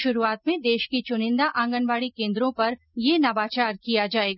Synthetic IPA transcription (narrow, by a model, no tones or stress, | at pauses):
ʃʊɾuaːt̪mẽd̪eːʃkit͡ʃʊnɪ̃nd̪aʔãːŋɡəɳʋaːɽikẽːnd̪ɾõpɐɾ | jeːnɐbaːt͡ʃaːɾkijad͡ʒaːeːɡaː